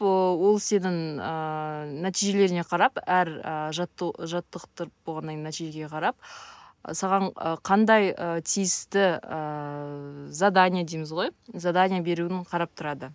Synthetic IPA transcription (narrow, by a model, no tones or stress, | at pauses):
əwo̞lˠse̞nɪŋənæt̪ijʒe̞le̞ɾɪne̞qʰɑɾɑpæɾəʒɑt̪ːʒɑt̪ːəqt̪əɾ̚boʁɑnːɑjnæt̪iʒe̞ɡʲeqʰɑɾɑp̚ | sɑʁɑɴəqʰɑnd̪ɑjət̪ʰijɪst̪ɪə | zad̪anʲijad̪ejmɪzʁo̞jzad̪anʲijabe̞ɾuɪɴqʰɑɾɑp̚t̪ʰʊɾɑd̪ə